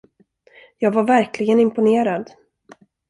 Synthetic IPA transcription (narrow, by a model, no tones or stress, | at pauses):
jɑːɡvaɾvæɾklɪɡənɪmpʊneːɾad̪